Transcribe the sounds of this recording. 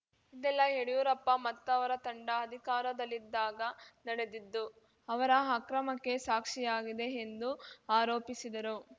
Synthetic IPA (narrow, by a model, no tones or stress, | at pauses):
id̪ɛlːɐɦeɽijuɾɐpːɐmɐt̪ːɐʋɐɾɐt̪ɐɳɖɐːd̪ʱikaːɾɐd̪ɐlːid̪ːaːɡɐnɐɽe̞d̪id̪ːu | ɐʋɐɾɐakɾɐmɐkːe̞saːkʂijaːɡid̪e̞ːnd̪uaːɾoːpisid̪ɐɾu